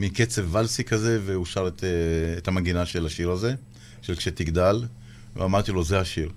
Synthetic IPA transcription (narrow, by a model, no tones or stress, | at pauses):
miket͡sevːalsikaze̞veuʃaʁet̪ʰeet̪amaɡinaʃe̞laʃiʁaze̞ | ʃelkʃe̞t̪iɡd̪al | vḛamaʁt̪ilo̞zeaʃiʁ